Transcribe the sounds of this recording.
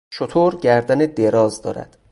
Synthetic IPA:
ʃot̪ʰoːɾɟæɾd̪æned̪eɾɒːzd̪ɒ̰ːɾæ̰d̪̥

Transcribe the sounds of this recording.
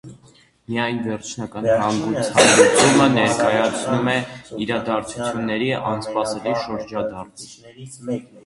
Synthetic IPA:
mijɑjnvɛɾt͡ʃʰnɑkɑnhɑŋɡut͡sʰhɑnd̪it͡sumənɛɾkɑjɑt͡sʰnumɛiɾɑd̪ɑɾt͡sʰut͡sʰjunːɛɾiʔɑnspɑsɛliʃəɾd͡ʒɑd̪ɑrum

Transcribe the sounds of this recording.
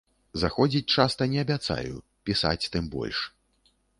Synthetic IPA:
zaxɔd͡zʲit͡sʲt͡ʂast̪ɐnʲɛɐbʲat̪sa̰jṵ | pʲisa̰t͡sʲt̪ɨmbɔ̰lʲʂ

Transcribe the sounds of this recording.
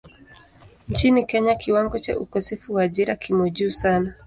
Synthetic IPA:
ɲt͡ʃinikɛɲakʰiwaŋɡɔt͡ʃa̰ʔukɔsɛfuwaʄiɾakʰimɔʄusana

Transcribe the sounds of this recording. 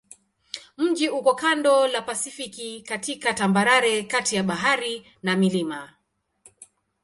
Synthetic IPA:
m̩d͡ʒiukɔkandɔlapasifikikatikatambaɾaɾɛkatijaɓaɦaɾi | namilima

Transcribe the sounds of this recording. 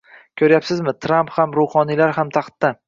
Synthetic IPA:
kʲʰɵɾjapsɪzmɪt̪ʰɾamphamɾʊhɒnilaɾɦamt̪ʰɑχt̪ːa

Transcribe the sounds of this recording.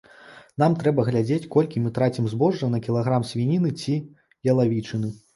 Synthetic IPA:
n̪amt̪ɾɛbɐɣlʲad͡zʲet͡sʲkɔlʲkʲimɨt̪ɾat͡sʲimzbɔʐːɐnɐkʲilˠaɣɾamsʲvʲinʲinɨt͡sʲi | jɐlˠavʲit͡ʂɨnɨ

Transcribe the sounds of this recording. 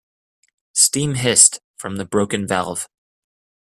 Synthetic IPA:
stĩmɦɪstfɹʌ̃mðɨbɹoʊkɨ̃nvɛ̰lˠv̥

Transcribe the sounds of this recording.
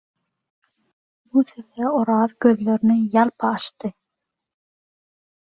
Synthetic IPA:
buθeθeoɾɑːðɡøðlø̞ɾnijɑlˠpʰɑːʃt̪ɯ

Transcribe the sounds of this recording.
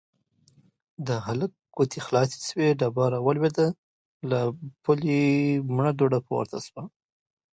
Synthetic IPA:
d̪əɦalək̚ɡot̪ʰixlɑsi̥sweɖabɑɾawalwed̪a | lapulimɳad̪oɖapəwa̰ɾt̪ʰa̰swa

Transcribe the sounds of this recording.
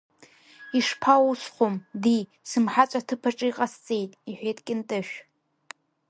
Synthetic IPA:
iʂpʰausχʷomdi | sɨmħat͡ʃʷʼatʰɨpʰaʈ͡ʂʼɨiqʼast͡sʼejtʼiħʷᶣejtʼkʲʼɪntʼɨʃᶣ

